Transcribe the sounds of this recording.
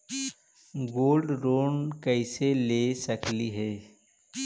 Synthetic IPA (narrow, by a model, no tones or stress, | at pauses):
ɡoːlɖɾoːnkəɪselesəkliɦɛː